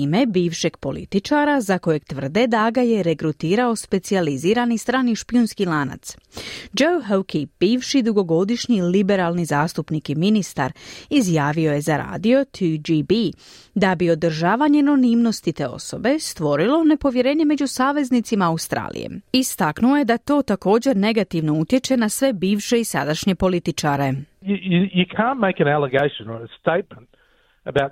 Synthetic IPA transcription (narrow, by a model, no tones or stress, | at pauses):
ime̞biːʋʃe̞ɡpo̞lḭt̪it͡ʃaɾazako̞je̞ɡ̚t̪ʋər̩d̪e̞d̪aɡaje̞ɾe̞kɾut̪iːɾao̞spe̞t̪sializiːɾanist̪ɾaːniʃpiunskilaːna̰t̪sd͡ʒowɦowkʰib̥iːʋʃid̪uɡo̞ɡo̞d̪iʃɲilibe̞ɾalˠnizaːst̪upnikiminist̪a̰ɾizjaːʋio̞jezaɾa̰ːd̪io̞t̪ʰud͡ʒibi | d̪abio̞d̪r̩ʒaːʋaɲeno̞nimno̞st̪it̪e̞o̞̰so̞be̞st̪ʋo̞ɾilo̞ne̞po̞ʋjeɾe̞ːɲe̞me̞d͡ʑusaːʋe̞znit̪simaaust̪ɾa̰ːlḭjḛmist̪aknuoje̞d̪at̪o̞ːt̪ako̞ːd͡ʑe̞ɾne̞ɡat̪iʋno̞ut̪je̞t͡ʃe̞nasʋe̞biːʋʃe̞isa̰d̪aʃɲe̞po̞lit̪it͡ʃaɾe̞jɨjɨjɨkʰæ̃nmeɪkɨ̃nælˠəɡeɪʃə̃nə˞əsteɪt̚mə̃nt | əbaʊt̚